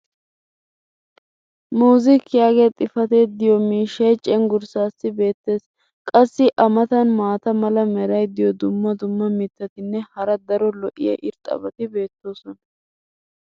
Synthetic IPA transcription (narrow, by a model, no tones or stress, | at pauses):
muːzɪkːɪjaːɡet̪ʼɪfɐt̪e̞ːd̪ɪjɔmiːʃːɐjt͡ʃʼɛŋɡʊɾsaːsːɪbe̞ːt̪ːe̞ːs | kʼɐsːɪʔɐmɐt̪ɐnmaːt̪ɐmɐlɐmɛɾɐjd̪ɪjɔd̪ʊmːɐd̪ʊmːɐmɪt̪ːɐt̪ɪnːɛhɐɾɐd̪ɐɾɔlɔʔɪ̰jɐ̰ʔɪɾt̪ʼɐ̰bɐt̪ɪbe̞ːt̪ːo̞ːsɔnɐ